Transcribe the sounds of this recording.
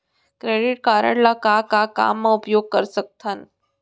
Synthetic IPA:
kɾeɽiʈ̚kaɾə̰ɽlakakaka̰mːãupjoɡ̚kəɾsək̚t̪ʰan

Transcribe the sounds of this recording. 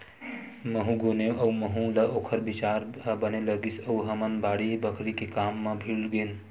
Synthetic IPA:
məɦũɡoneʔəuməɦũlɐoːkʰəɾbit͡ʃaːɾbəneləɡisəuɦəmənbaːɽibəkʰɾikekaːmːẽbʱilɡen

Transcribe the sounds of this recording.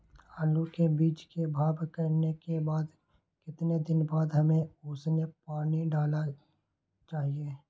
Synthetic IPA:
aːlukebiːt͡ʃkebʱaːbkəɾnekebaːd̪ | kɪt̪ned̪ɪnbaːd̪ɦɐmẽʊsnepaːniɖaːla | t͡ʃaːɦieː

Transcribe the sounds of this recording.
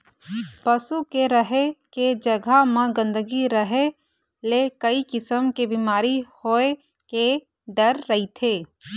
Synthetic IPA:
pəsukeɾəɦeked͡ʒəɡʱamãɡə̃nd̪əɡiɾəɦe | lekəikɪsəmkebimaːɾihoːe | ke | ɖəɾːəit̪ʰeː

